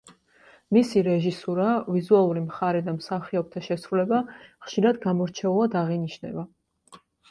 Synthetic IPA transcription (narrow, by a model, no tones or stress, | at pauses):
misiɾɛʒisuɾavizualˠuɾimχaɾɛd̪amsaχiɔp̚t̪ʰaʃɛsɾulɛbaχʃiɾad̪ɡamɔɾt͡ʃʰɛulˠad̪aʁiniʃnɛ̰ba